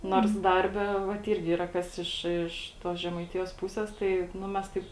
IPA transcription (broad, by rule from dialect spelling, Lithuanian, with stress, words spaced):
noːrs ˈdɐrʲbʲɛ ʋɐt ˈɪrʲɡʲɪ ˈiːrɐ ˈkɐs ɪʃ ɪʃ ˈtoːs ʒʲɛmɐɪˈtʲɪjoːs ˈpuːsʲɛs ˈtɐɪ ˈnʊ mʲɛs ˈtɐɪp